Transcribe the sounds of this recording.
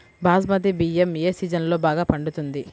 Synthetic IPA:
baːsmɐd̪ibiːemeːsiːd͡ʒɐnlo̞ːbaːɡaːpɐɳɖut̪und̪i

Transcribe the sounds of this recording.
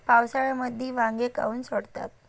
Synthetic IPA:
pawsaɭaməd̪ʱːiːʋãŋɡeka̰uːnsoɽt̪a̰t̪̚

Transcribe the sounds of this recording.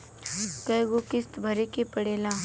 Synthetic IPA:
kɐjɡokɪst̪bʱɐɾekepəɽela

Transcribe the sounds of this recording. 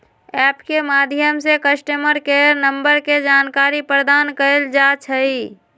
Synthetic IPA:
ɛpkemad̪ʱjəmsekəsʈəməɾkeɾnəmbəɾked͡ʒaːnkaɾipɾəd̪aːnkəeld͡ʒat͡ʃʰəi

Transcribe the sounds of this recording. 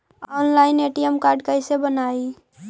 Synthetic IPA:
ɔnlaɪneʈijəmkaɾɖkəɪsebənai

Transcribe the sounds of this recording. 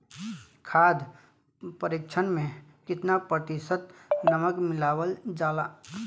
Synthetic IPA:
kʰaːd̪ | pəɾɪkt͡ʃʰənmẽkɪt̪napɾət̪ɪsət̪nəməkmɪlaːwəld͡ʒaːlaː

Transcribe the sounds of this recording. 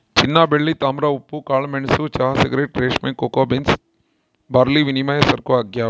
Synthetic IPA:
t͡ʃinːaːbeɭːit̪aːmɾaupːukaːɭmeɳsut͡ʃaːseɡɾeːʈ̚ɾeːʃmekoːkoːbins | baːɾliʋinimajɐsɐɾkoɐɡjaː

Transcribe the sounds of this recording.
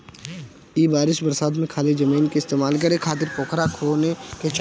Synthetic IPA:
iːbaːɾɪʃbəɾsaːd̪mẽkʰaːled͡ʒɐmiːnkeɪst̪eːmaːlk̬əɾekʰaːt̪̬ɪɾkoːkʰɾakʰoːneket͡ʃ

